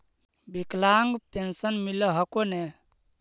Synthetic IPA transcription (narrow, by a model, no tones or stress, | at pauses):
biklaŋɡpensənmiləɦəkone